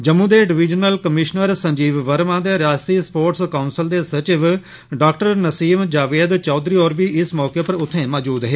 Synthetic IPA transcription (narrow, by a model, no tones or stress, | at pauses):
d͡ʒəmːũːd̪eːɖɪʋɪd͡ʒnəlkəmɪʃnəɾsəɲd͡ʒiːʋːəɾmãːd̪eːɾaːst̪iːspoːɾʈskaʊnsəld̪eːsət͡ʃɪʋ | ɖaːkʈəɾnəsiːmd͡ʒaːʋeːd̪t͡ʃɔːd̪ɾiːoːɾʋiːʔɪsmɔːkeːpəɾʊt̪ʰːẽːmɔːd͡ʒuːd̪ɦeː